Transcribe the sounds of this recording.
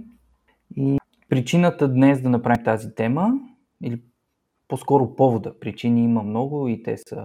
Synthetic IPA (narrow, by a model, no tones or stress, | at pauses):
i | pɾit͡ʃinət̪əd̪nɛsd̪ɐnɐpɾavimt̪azit̪ɛmə | ili | poskɔɾʊpɔvod̪əpɾit͡ʃiniiməmnɔɡʊit̪ɛ̰sə̰